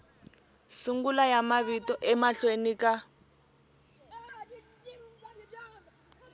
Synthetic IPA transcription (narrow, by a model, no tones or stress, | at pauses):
suŋɡulajamaβitɔʔɛmaɬwenika